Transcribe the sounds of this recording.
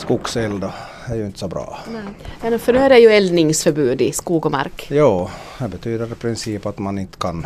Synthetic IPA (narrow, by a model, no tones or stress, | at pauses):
skʊksɛld̪ə | æjɵɪnt̪ə̥sɔbɾɑ̰ːnɛjɛnɛfœɖʉæɾæɾjɵɛlnɪŋsfœɾbʉːd̪ɪskuːɡɔma̰ɾkjɑːd̪ɛbət̪ʰyːd̪əɾpʰɾɪnsiːpat̪manɪnt̪ːə̥kʰan